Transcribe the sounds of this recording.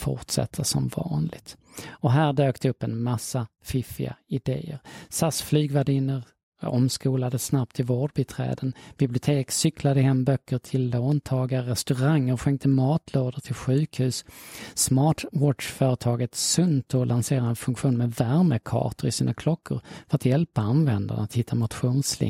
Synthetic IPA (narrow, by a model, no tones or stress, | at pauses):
fʊ̰ʈsɛ̰t̪ʰːəsɔ̰mvɑ̰ːnlɪ̰ɡ̚t̪ | ɔɦæːɾɖøːkt̪əɵpːɛnmasːafɪfɪ̰a̰ɪd̪ḛːə̰ɾsasflyːɡvaɖɪnəɾ | ɔmskuːlad̪əsnap̚t̪ʰɪvoːɖbət̪ʰɾɛ̰ːd̪ənb̥ɪblɪʊt̪ʰeːksʏkʰlad̪əɦɛmbœkːəʈʰɪlːoːnt̪ʰɑːɡaɾɛst̪ɵɾaŋːəɾɧɛŋt̪ʰəmɑːt̪ʰloːd̪əʈʰɪlɧʉ̟ːkhʉ̟ːssmɑːʈwɔʈʂfœːɾət̪ʰɑːɡət̪sɵnt̪ʰɔlʔanseːɾaɛnfɵŋkɧuːnmɛvæɾməkʰɑ̰ːʈəɾɪsiːnakʰlɔkʰːʊ̰ɾfœɾat̪jɛlpaanvɛnd̪a̰ɳaat̪hɪt̪ʰːamʊt̪ɧuːnslɪ̰